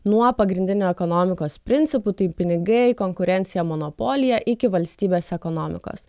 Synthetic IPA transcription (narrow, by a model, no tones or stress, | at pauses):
nuɔpɐɡɾʲɪnʲd̪ʲɪnʲoːɛkonoːmʲɪkoːspʲɾʲɪnʲtsʲɪput̪ɐɪpʲɪnʲɪɡɐɪkoŋkʊɾʲɛnt̪sʲɪjɛmɔnopoːlʲɪjɛʔɪkʲɪʋɐlʲsʲt̪ʲiːbʲeːsɛkoːnoːmʲɪ̰ko̰ːs